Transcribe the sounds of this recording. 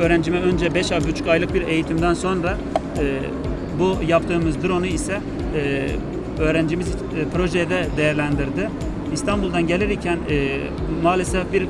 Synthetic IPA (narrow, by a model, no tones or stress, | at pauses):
øːɾænd͡ʒimɛø̞nd͡ʒɛbɛʃabyt͡ʃʰu̥cajlˠɯk̚biɾe̞jit̪ʰimd̪ænso̞nɾa | ɯː | bujapt̪ʰɯːmɯzd̪uɾo̞nuisɛː | ø̞ːɾænd͡ʒimiz | pʰɾo̞ʒɛjd̪ɛd̪ejæɾlʲænd̪iɾd̪ɪ | ist̪ʰanbulˠd̪anɟe̞lʲiɾicʰænː | maːlʲesɛfbiɾ